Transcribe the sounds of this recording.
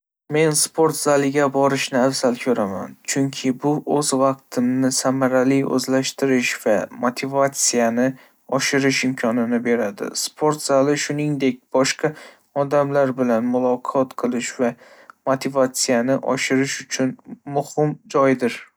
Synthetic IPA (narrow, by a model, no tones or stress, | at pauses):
me̞nspʰo̞ɾt̪z̥alɪɡʲabɒɾɪʃnɪafzalkʰɵɾama̰nt͡ʃʰʊŋkʲʰɪbʊʔɵzvɑq̚t̪ʰɪmnɪsamaɾalijɵ̰zlaʃt̪ɪɾɪʃv̥amot̪ʰɪvat̪sijanɪ | ɒʃɪɾɪʃɪmkʲʰɒnɪnɪbe̞ɾad̪ɪ̰spʰoɾt̪z̥alɪʃʊnɪŋd̪e̞k̚ʲb̥ɒʃqɑ | ɒd̪amlaɾbɪlanmʊlˠɒqʰɒt̪qʰɨlˠɪʃva | mot̪ʰɪvat̪sijanɪʔɒ̰ʃɪɾɪʃʊt͡ʃʰʊnmʊhɪmd͡ʒɒjd̪ɪɾ